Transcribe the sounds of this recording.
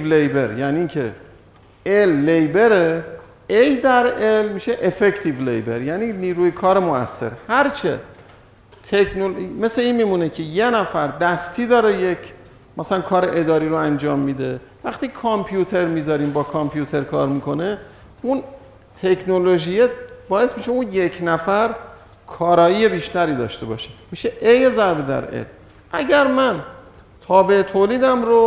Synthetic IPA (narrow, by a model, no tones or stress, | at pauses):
vlejbe̞ɾjæniːŋcʰḛ | elːe̞jbe̞ɾe | ejd̪æɾelmiːʃeʔefect̪ʰivlḛjbe̞̰ɾjæːniːniːɾuːjekʰɒːɾemoæ̰sːe̞̰ɾhæɾt͡ʃʰḛ | t̪ʰekʰnolme̞sleiːnmiːmunecʰe̞je̞næfæɾd̪æst̪ʰiːd̪ɒːɾejecʰ | mæsælænkʰɒːɾeʔed̪ɒːɾiːɾoænd͡ʒɒːmːiːd̪e̞ | væxt̪iːkʰompʰjut̪ʰe̞ɾmiːzɒːɾiːmbɒːkʰɒmpʰjut̪ʰe̞ɾkʰɒ̰ːɾmiːkʰo̞ne̞ | un | t̪ʰe̞kʰno̞lo̞ʒijebɒːe̞smiʃeunje̞cʰnæfæɾ | kʰɒːɾɒːiːjebiːʃt̪æɾiːd̪ɒ̰ːʃt̪e̞bɒ̰ːʃe̥miːʃeʔejezæɾbed̪æ̰ɾʔḛlm | ʔæɟæɾmæn | t̪ʰɒːbe̞et̪ʰoːliːd̪æmɾo